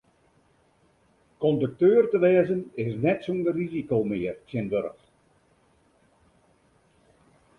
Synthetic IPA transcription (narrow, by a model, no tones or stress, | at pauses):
kɔndək̚tøːərtəʋɛːəzənɪsnɛtsundərrizikowmɪːərtjɛnʋøɾəxt